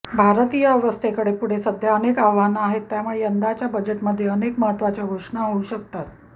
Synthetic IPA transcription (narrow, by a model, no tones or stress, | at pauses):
bʱaɾt̪ijaʋəst̪ʰekəɽepuɽ̤esəd̪ʱjaənekaʋanaɦet̪ːjamuɭeənd̪at͡ɕjabəd͡ʑeʈməd̪ʱːjeənekməɦət̪ʋat͡ɕjaɡʱoʂɳaɦəuɕək̚t̪at̪